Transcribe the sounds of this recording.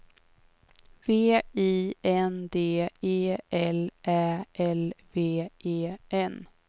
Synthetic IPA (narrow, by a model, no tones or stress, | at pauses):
veːiːɛnd̪eːeːɛlʔæːʔɛlveːʔeːʔɛn